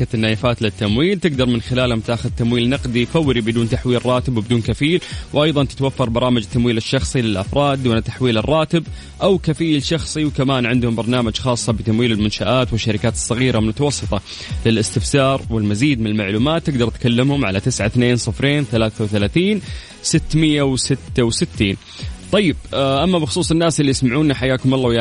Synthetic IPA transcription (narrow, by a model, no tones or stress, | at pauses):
at̪ɪnːaːjɪfaːt̪lɪt̪ːamwiːlt̪ɪɡd̪ɑɾˤmɪnxɪlaːlhʊmt̪aːxʊðt̪ːamwiːlnɑqd̪ifawːɾibɪd̪uːnt̪aħwiːlrˤɑːt̪ɪbwbɪd̪uːnkafiːlwʔɑjðˤɑnt̪ɪ̥t̪wafːɑɾˤbɑɾˤɑːmɪd͡ʒt̪ːamwiːlɪʃːɑxsˤilɪlʔa̰fɾˤɑːd̪ːuːnat̪aħwiːlɪrˤːɑːt̪ɪb | ʔawkafiːlʃɑxsˤiwkamaːnʕɪnd̪hʊmbɑɾˤnaːmad͡ʒxɑːsˤːɑbɪt̪amwiːlɪlmʊnʃaʔaːt̪wɪʃːaɾɪkaːt̪ɨ̥sˤːɑɣiːɾʔalmʊt̪ɑwɑsˤːɨt̪ˤɑ | lɪlʔɪst̪ɪfsɑːɾˤwɪlmaziːd̪mɪnɪlmaʕluːmaːt̪ːɪɡd̪ɑɾˤt̪kalːɪmhʊmʕalat̪ɪsʕaθneːnsˤɨfɾeːnθalaːθawθalaːθiːn | sɪt̪ːmɪjːawsɪt̪ːawsɪt̪ːiːn | t̪ˤɑjːɪbʔamːabɪxʊsˤuːsˤɪnːaːsɪlːijɪsmaʕuːnaħajːaːkʊmɑlˤːɑːj